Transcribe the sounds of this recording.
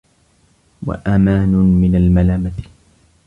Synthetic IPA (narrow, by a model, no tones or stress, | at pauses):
wa̰ʔamaːnʊmɪnalmalaːmat̪